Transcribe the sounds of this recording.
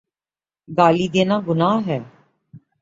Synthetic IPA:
ɡaːliːd̪eːnaːɡʊnaːɦɛː

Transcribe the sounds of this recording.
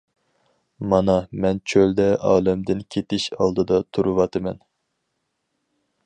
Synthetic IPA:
mɑnɑmɛnt͡ʃʰøld̪ɛʔɑːlˠɛmd̪ɪnkʲʰet̪ɪʃɑlˠd̪ɨd̪ɑt̪ʰuɾɨvɑt̪ʰɨmɛn

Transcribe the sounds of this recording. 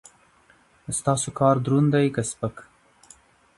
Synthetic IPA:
st̪ɑsokɑɾd̪ɾund̪ajkəspək

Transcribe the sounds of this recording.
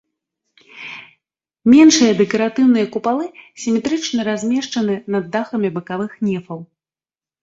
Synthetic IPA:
mʲɛnʂɨjɐd̪ɛkɐɾat̪ɨwn̪ɨjɐkupalˠɨsʲimʲɛt̪ɾɨt͡ʂnɐɾazʲmʲɛʂt͡ʂɐnɨnɐd̪ːaxɐmʲibɨkavɨxnʲɛfɐw

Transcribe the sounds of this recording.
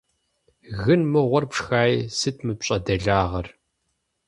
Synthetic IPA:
ɣɨnmɨʁʷɔrpʂxaːjisɨtʰmɨpɕʼɐdɐɮaːʁɐr

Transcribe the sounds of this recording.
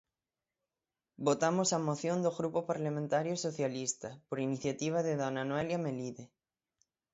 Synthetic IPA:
bot̪amosamoθjond̪oɣɾupopaɾlamẽnt̪aɾjosoθjalist̪apoɾiniθjat̪iβ̞aðeðonanweljameliðe

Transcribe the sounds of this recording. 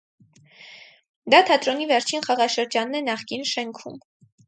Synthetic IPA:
d̪ɑt̪ʰɑt̪ɾɔnivɛɾt͡ʃʰinχɑʁɑʃəɾd͡ʒɑnːɛnɑχkinʃɛŋkʰṵm

